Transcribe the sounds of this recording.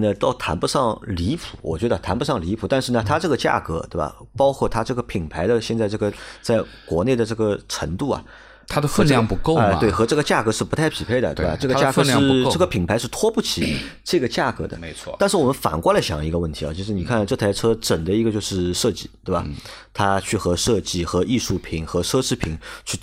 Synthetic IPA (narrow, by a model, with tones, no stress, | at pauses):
nə˧˩t̪ɑ˥˩ʊt̪ʰa̰˧˥npu˧ʂɑ˥˩ŋli˧˥pʰu̥˨˩˦wɔ˨˩t͡ɕɥɛ˧˥d̪ə˧t̪ʰa˧˥npu˧˥ʂɑ˥˩ŋli˧˥pʰu˨˩t̪a˥˧nʂɻ̩˥˩nə˩t̪ʰa˥ʈ͡ʂɤ˥˩ɡə˩t͡ɕja̰˥˩kɤ˧˥t̪we˥˩ɪbɐ̰˨˩pɑ˥ʊkʰwɔ˥˩t̪ʰa˥ʈ͡ʂɤ˥˩ɡə˩pʰi˨˩ŋpʰa˧˥ɪd̪ə˧ɕjɛ˥˧nt͡sa˥˧ɪʈ͡ʂɤ˥˩ɡə˩t͡sa˥˩ɪ | kwɔ̰˧˥ne˥˩ɪd̪ə˩ʈ͡ʂɤ˥˩ɡə˩ʈ͡ʂʰə̰˧˥ŋt̪u˥˩ɐ̰˩ | t̪ʰa˥to˥xə˥˧˥jɑ˥˧ŋpu˧˥ko˥˧ʊa˥˧we˥˩ɪxɤ˧˥ʈ͡ʂɤ˥˩ɡə˩t͡ɕja˥˩kɤ˧˥ʂɻ̩˥˩pu˧˥t̪ʰa˥˩ɪpʰi˨˩pʰe˥˩ɪd̪ə̰˩t̪ḛ˥˩ʈ͡ʂɤ˥˩ɡə˧t͡ɕja˥˩kɤ˧˥ʂɻ̩˥˧ʈ͡ʂɤ˥˩ɡə˩pʰi˨˩ŋpʰa˧˥ɪʂɻ̩˥˩t̪ʰwɔ˥pu˥˩t͡ɕʰi˨˦ | ʈ͡ʂɤ˥˩ɡə˩t͡ɕja̰˥˩kɤ˧˥d̪ə̰˩me˧ɪt͡sʰwɔ̰˥˧a˥˧nʂɻ̩˥˩wɔ˨˩mə˦nfa̰˨˩nkwa˥lə˩ɕjɑ̰˨˩i˧˥ɡə˧wə˥˩nt̪ʰi˧˥ɑ̰˥˩t͡ɕʰi˧˥ʂɻ̩˧˥ni˨˩kʰa˥˩nʈ͡ʂɤ˥˩t̪ʰa˧˥ɪʈ͡ʂʰɤ˥ʈ͡ʂə˨˩nd̪ə˦i˧˥ɡə˧t͡ɕjo˥˧ʊʂɻ̩˥˧ʂɤ˥˧t͡ɕi˥˩t̪we˥˩ɪbɐ˨˩t̪ʰa˥t͡ɕʰy˥˩xɤ˧˥ʂɤ˥˧t͡ɕi˥˩xɤ˧˥ʔi˥˧ʂu˥˩pʰi˨˩˥ŋxɤ˧˥ʈ͡ʂʰɤ˥ʂɻ̩˥˩pʰi˨˩˦ŋt͡ɕʰy˥˩